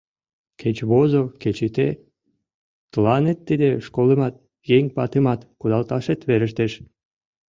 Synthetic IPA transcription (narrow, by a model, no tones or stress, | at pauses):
kʰet͡ɕβozoket͡ɕit̪e | t̪əlɑnet̪ːid̪eʃkoləmɑt̪̚ | jeŋʲpɑt̪emɑt̪kud̪ɑlt̪ɑʃet̪βeɾə̆ʃt̪eʃ